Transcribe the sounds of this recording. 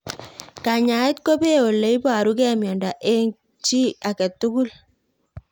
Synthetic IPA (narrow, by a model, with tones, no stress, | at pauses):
ka˨ɲa˨i˦t̚ko˦be˦o˨lːe˨˦i˦ba˨ɾu˦kɛ˦˨mjɔ˨nda˨ʔe˦ŋ | t͡ʃi˦a˨kɛ˨tːu˦ɡu˦l